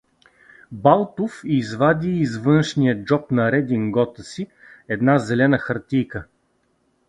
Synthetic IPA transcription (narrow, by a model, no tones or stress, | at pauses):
balˠt̪ofizvad̪ʲiːzvɤnʃnijəd͡ʒɔpnɐɾɛd̪ʲiŋɡɔt̪əsi | ɛd̪nazɛlɛnəxɐɾt̪ijkə